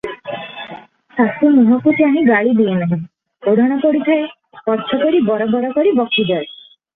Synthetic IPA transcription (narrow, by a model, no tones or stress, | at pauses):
sasumuɦɔkut̪iaɦĩɡaɭid̪ienaɦɛ̃ | oɽʱɔɽ̃ɔkɔɽit̪ʰɔe | kɔɾt͡ʃʰɔkɔɾibɔɾɔbɔɾɔkɔɾibɔkid͡ʒɔe